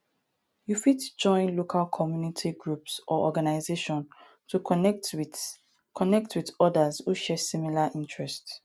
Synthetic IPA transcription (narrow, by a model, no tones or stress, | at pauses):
jufitd͡ʒɔ̃ɪ̃nlokʰalkʰɔmjunitʰiɡɹupsʔɔʔɔɡanaɪzeʃɔ̃n | tʰuɛt | kʰɔnɛk̚twidɔdazhuʃɛsimilaʔĩntʰɹɛst